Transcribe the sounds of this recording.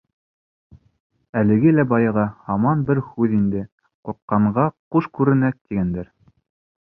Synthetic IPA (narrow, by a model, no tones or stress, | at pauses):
ælɘ̆ɡɘlæbɑjɑʁɑhɑmɑnbɘɾhʉðind̪ɘ | quɾqːɑɴɢɑquʃkʉɾɘ̆næθt̪ːiɡænd̪æɾ